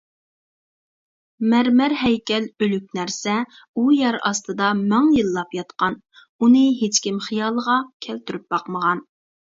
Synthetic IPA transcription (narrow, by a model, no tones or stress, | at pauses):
mæɾmæɾɦɛjkʲɛlølykʲnæɾsɛ | ujæɾɑ̰st̪ɨd̪ɑmæŋjɨlˠːɑpjɑt̪qɑn | unɨɦet͡ʃkʲimχijɑːlˠəʁɑkʲʰɛlt̪yɾyp̚bɑqməʁɑn